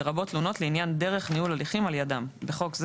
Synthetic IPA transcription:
ʁabo̞tluno̞tleinjandeʁe̞χniulaliχimaljadambeχo̞kz

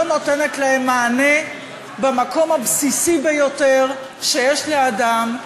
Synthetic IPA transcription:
no̞t̪enetlaemːaːne | bemako̞mabsisibejo̞teʁ | ʃejeʃleadam

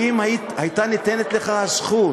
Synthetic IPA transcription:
imai | ajt̪anit̪ene̞t̪le̞χaasχu

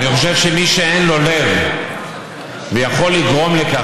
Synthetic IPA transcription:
niχo̞ʃe̞vʃemiʃeenlo̞le̞v | vejaχo̞lːiɡʁo̞mleka

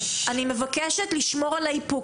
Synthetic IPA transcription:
ʔanimevakeʃet̪liʃmo̞ʁalaipu

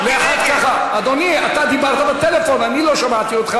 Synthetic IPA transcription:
veaħat̪kaχaːd̪oniat̪ad̪ibaʁt̪abet̪elefo̞naniloʃamat̪iot̪χa

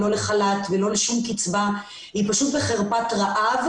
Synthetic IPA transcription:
lo̞leχalatvelo̞leʃumkit͡sva | hipaʃutbeχeʁpatʁaʔav

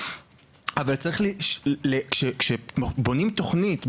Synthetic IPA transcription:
avalt͡saʁiχliʃlekʃekʃebo̞nimto̞χnit

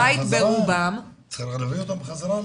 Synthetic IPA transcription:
ajit̪beʁubam | t͡sɾixlaviot̪ambeχazaɾa

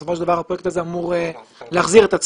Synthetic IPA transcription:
sofoʃeldavaʁhapʁojekt̪azeamuʁeleaχziʁet̪at͡s

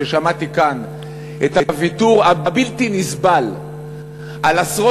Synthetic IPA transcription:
eʃamat̪ikan | ʔet̪havituʁababilt̪inisbal | ʔalasʁo

